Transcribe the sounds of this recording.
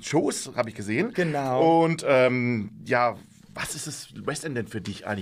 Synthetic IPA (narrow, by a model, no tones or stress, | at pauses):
ʃoːsha̰ːbəɪçɡ̥əzeːənɡ̥ənaʊʊntʔɛːmjaː | vasɪstd̥aswɛstɛndɛnfyːɐdɪçʔa̰ɪŋ